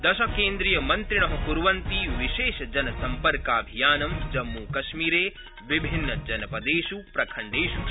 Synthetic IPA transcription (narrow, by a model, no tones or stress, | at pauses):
d̪ɐʃɐkeːnd̪ɾijɐmɐnt̪ɾiɳ̃ɐɦɐpuɾʋɐnt̪iʋiʃeːʃɐd͡ʒɐnɐsɐmpɐɾkaːbʱijaːnɐmd͡ʒɐmːukɐʃmiːɾeː | ʋibʱinːɐd͡ʒɐnɐpɐd̪eːʃupɾɐkʰɐɳɖeːʃu